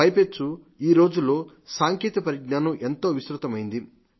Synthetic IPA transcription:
ɐjpet͡ʃːu | iːɾo̞ːd͡ʒulːo̞ː | saːŋkeːt̪ɐpɐɾiɡ̚naːnɐmʔe̞nt̪o̞ːʋisɾut̪ɐmɐjind̪i

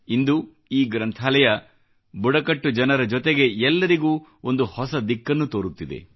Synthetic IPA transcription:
ind̪u | iːɡɾɐnt̪ʰaːlɛjɐ | buɽɐkɐʈːud͡ʒɐnɐɾɐd͡ʒot̪eɡe̞ɛlːɐɾiɡuːo̞nd̪uhɔsɐd̪ikːɐnːut̪o̞ːɾut̪ːid̪ḛ

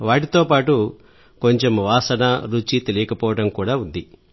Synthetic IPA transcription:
ʋaːʈit̪o̞ːpaːʈu | ko̞ɲt͡ʃe̞mʋaːsɐnɐɾut͡ʃit̪elijɐkɐpɔːʋɐʈɐmkuːɽaːund̪i

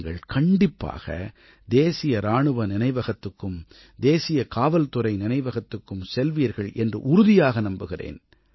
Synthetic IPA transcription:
ɡɐɭkɐɳɖɪpːa̰ːɣɐ̰ | d̪eːsɪjɐɾaːɳɯʋɐnɪnɐɪʋɐɣɐt̪ːɯkːɯm | d̪eːsɪjɐkaːʋɐlt̪ʊrɐɪnɪnɐɪʋɐɣɐt̪ːɯkːɯmsɛlʋiːɐɾɣɐɭʔɛndrɯ̰ʔʊɾʊðɪjaːɣɐnɐmbɯɣɪrḛːn

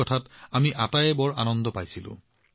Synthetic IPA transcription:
ɔtʰatamiʔatajɛbɔɹanɔndɔpajsilʊ̰̃

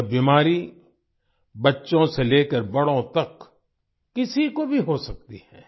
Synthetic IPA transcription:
biːmaːɾi | bɐtːʃõseleːkəɾbɐɽõt̪ɐkː | ɪsikobʱiɦosɐk̚t̪ihɛ̃ː

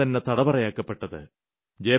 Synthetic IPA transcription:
ɐnːet̪ɐɽɐbɐrɐjaːkːɐpːe̞ʈːɐðɨ̰ | d͡ʑeː

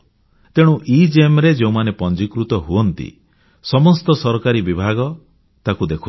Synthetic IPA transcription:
t̪eɽ̃ũʔid͡ʒemɾed͡ʒeũmanepɔnd͡ʒikɾut̪ɔɦuɔnt̪ḭ | sɔmɔst̪ɔsɔɾɔkaɾibibʱaɡɔ | t̪akud̪ekʰu

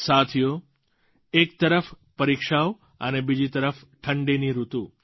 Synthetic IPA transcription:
sat̪ʰijo | ek̚t̪əɾəf | pəɾikʃao | ə̰nebid͡ʒit̪əɾəf | ʈʰəɳɖiniɾut̪u

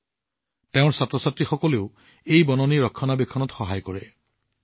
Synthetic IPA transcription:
teʊ̃ɹsatɹɔsatɹixɔkɔleʊ | ejbɔnɔniɹɔkʰːɔnabekʰːɔnɔtxɔɦajkɔɹɛ

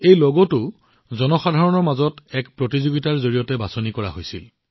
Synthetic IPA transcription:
ejlɔɡɔtʊ | zɔnɔxadʱaɹɔnɔɹmazɔtɛkpɹotizoɡitaɹzoɹijɔtɛbasonikɔɹa̰ɦojsil

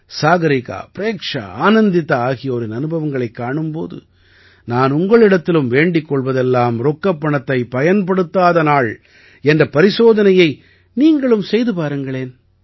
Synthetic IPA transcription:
saːɣɐɾɪka̰ːpɪɾeːkʂa̰aːnɐnd̪ɪt̪ːɐaːɣɪjɐːɾɪnɐnɯbɐʋɐŋɡɐɭɐɪkːaːɳɯmpo̰ːðɯ̰ | naːnʊŋɡɐɭɪɽɐt̪ːɪlɯmʋeːɳɖɪkːɔɭʋɐðɛlːaːmɾɔkːɐpːɐɳɐt̪ːɐɪpɐjɐnpɐɽɯt̪ːaːðɐnaːɭ | ɛndrɐpɐɾɪsoːðɐnɐjɐɪ | niːŋɡɐɭɯmsɛjðɯpaːɾɯŋɡɐɭeːn

